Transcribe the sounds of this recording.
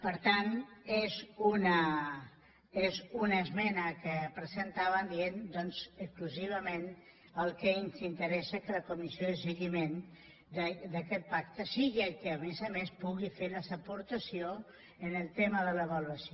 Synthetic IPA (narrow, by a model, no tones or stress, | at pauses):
pəɾt̪anezunə | ezunəːzmɛnəkəpɾəzənt̪aβənd̪iend̪ɔnzəkskluziβ̞əmen | əlˠkəinzint̪əɾɛsəkələkumisioðəsəɣimen | d̪əd̪əkɛt̪̚pak̚t̪əsiɣiəkəːmezamespuɣifeləsəpuɾt̪əsio | ənəlˠt̪eməðələβəluəsio